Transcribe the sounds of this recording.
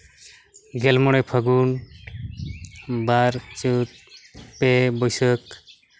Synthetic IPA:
ɡɛlmɔɽ̃ɛpʰəɡun | baɾt͡ʃut̪̚pebɔjsək̚

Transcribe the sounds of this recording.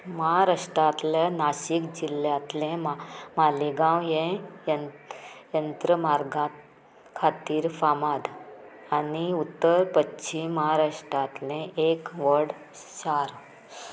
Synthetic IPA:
məɦaɾaʂʈɾat̪lanaɕikd͡ʑilːjat̪lẽmamaliɡãwjẽjə | jənt̪ɾəmaɾɡãt̪ | kʰat̪iːɾfamad̪ | aniut̪ːəɾpətːɕʰiməɦaɾaʂʈɾat̪lẽʔekʋəɾɽ | ɕaɾ

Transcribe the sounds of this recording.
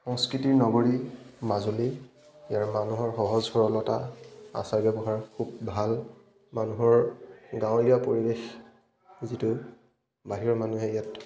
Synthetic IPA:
xɔŋskɹitiɹnɔɡoɹimazuli | jaɹmanuɦɔɹxɔɦɔzhɔɹɔnɔtaa̰saɹbɛbɔɦaɹkʰub̚bʱal | manuɦɔɹɡãwiɡapoɹibex | zitʊ | baɦiɔɹmanuɦɛijat

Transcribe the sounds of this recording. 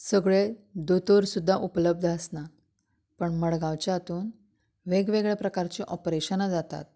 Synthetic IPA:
səɡɭed̪ot̪oɾsud̪ʱːaʔupləb̚d̪ʱəsna | pəɳməɽɡãʋt͡ɕjat̪uːn | ʋeɡʋeɡɭepɾəkaɾt͡ɕiʔɔpɾeɕənad͡zat̪a̰t̪̚

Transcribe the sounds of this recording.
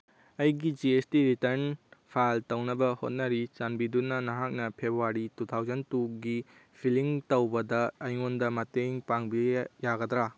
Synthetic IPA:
ɐjɡid͡ʒiestiɾitɐɾnpʰaltɐwnɐbɐhot̚nɐɾit͡ʃanbidunːɐnɐɦak̚nɐpʰebuaɾitut̪ʰawzɐntuɡipʰiliŋtɐwbɐdɐɐjŋondɐmɐteŋpaŋbijaɡɐd̪ɾa

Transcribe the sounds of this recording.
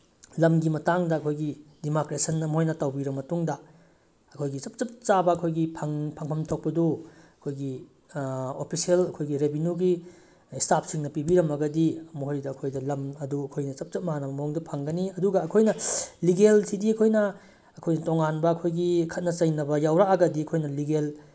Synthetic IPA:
lɐmɡimɐtaŋdɐɐkʰojɡidimokɾesɐnːɐmɦojnɐtɐwbiɾɐmːɐtuŋdɐ | ɐkʰojɡit͡ʃɐp̚t͡ʃɐp̚t͡ʃabɐɐkʰojɡipʰɐŋpʰaŋpʰɐmtʰok̚pɐduɐkʰojɡi | opʰisielɐkʰojɡiɾebinuɡi | stapʰsiŋnɐpibiɾɐmɐɡɐdiɐmoɦojdɐɐkʰojdɐlɐmɐduɐkʰojnɐt͡ʃɐp̚t͡ʃɐp̚maɦanɐbɐmɐoŋdupʰɐŋɡɐniɐduɡɐɐkʰojnɐliɡelsidiɐkʰojnɐ | ɐkʰojnɐtoŋanbɐːkʰojɡikʰɐt̚nɐt͡ʃɐjnɐbɐjawɾakɐɡɐdiɐkʰojnɐliɡel

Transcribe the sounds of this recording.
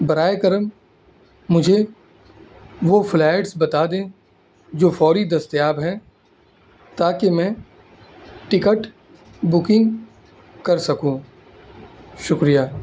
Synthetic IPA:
bɐɾaːjekəɾəmː | ʊd͡ʒʱe | ʋoflɛːʈsbɐt̪aːd̪ẽ | d͡ʒoːfɔːɾid̪ɐst̪jaːbɦɛ̃ | t̪aːkemɛ̃ː | ʈɪkəʈ | bʊkɪ̃ŋɡ | kɐɾsɐkũ | ʃʊkɾijaː

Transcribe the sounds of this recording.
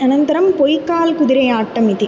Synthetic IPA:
ɐnɐnt̪ɐɾɐmpɔjkːaːlkʊðɪɾɐɪaːʈːɐmɪði

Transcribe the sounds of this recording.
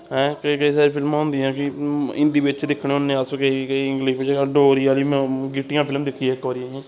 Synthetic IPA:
ɦɛ̃ːkəikəiːsaːɾiːpʰɪlmãːnd̪iːɦɛ̃ːkɪɪ̃nd̪iːbɪt͡ʃd̪ɪkʰɽeːɦʊnːẽːasõːkəikəiːɪ̃ŋɡliʃɪt͡ʃːɖoːɾiːaːliːmɛ̃ɡɪʈːɪjãːpʰɪlmd̪ɪkʰːiɛːkɔːɾiãːɛ̃ː

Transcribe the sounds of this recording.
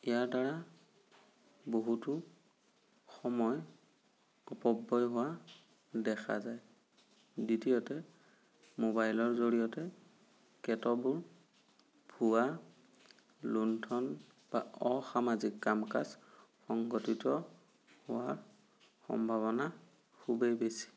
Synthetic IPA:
ijaɹdaɹa | boɦutʊ | xɔmɔj | ɔpɔbːɔjɦʊwa | dɛxʰa̰zaj | ditijɔtɛ | mobajlɔɹzoɹijɔtɛ | kɛtɔbuɹ | bʱuwa | luntʰɔn | ba̰ɔxamazikːamka̰sxɔŋɡotitɔ | hʊwaɹ | xɔ̰mbʱaβɔna | kʰubejbesi̥

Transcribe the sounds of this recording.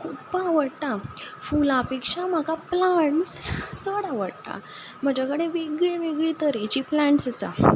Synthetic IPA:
kʰupːaʋəɽt̪afulapekʂam̤akaplaɳst͡səɽaʋəɽt̪a̰ | m̤əd͡ʑakəɽeʋeɡɭeʋeɡɭit̪əɾet͡ɕiplaɳʈsəsa̰

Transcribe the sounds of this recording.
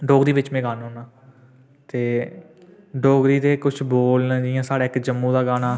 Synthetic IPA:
ɖoːɡd̪iːʋɪt͡ʃmɛ̃ːɡaːnɦoːnaː | t̪eː | ɖoːɡɾiːt̪eːkʊt͡ʃʰboːlnad͡ʒijãːsaːɽaːɪkd͡ʒəmːũːd̪aːɡaːnaː

